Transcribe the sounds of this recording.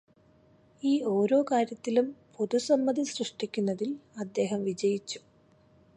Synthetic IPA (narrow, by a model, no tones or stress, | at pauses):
iːo̞ːɾo̞ːkaːɾjɐt̪ːilumpo̞ðusɐmːɐd̪ʱisrɨʂʈikʲːunːɐðilɐd̪ːe̞ːɦɐmʋid͡ʑɐjit͡ɕːu̥